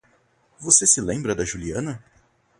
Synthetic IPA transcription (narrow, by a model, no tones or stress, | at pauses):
vosesɪlẽmbɾɐd̪ɐʒuliɐ̃nɐ